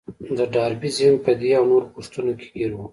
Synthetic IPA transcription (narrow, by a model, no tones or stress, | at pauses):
d̪əɖɑɾbizɪmpəd̪eawnoɾokoʂt̪unoke̥ɡiɾwu